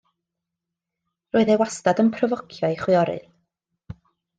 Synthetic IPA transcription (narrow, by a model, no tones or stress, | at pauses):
roːɨðewastadənpʰrɔvɔkʰjɔiχwɨɔɾɨ̰ð